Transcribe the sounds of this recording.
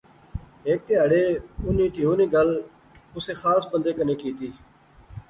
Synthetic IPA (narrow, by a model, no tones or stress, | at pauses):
ɦeːk̚t̪eːɦəɽeːʊnĩːt̪iːɦoːniːɡəl | ʊseːxaːsbənd̪eːkəneːkiːt̪iː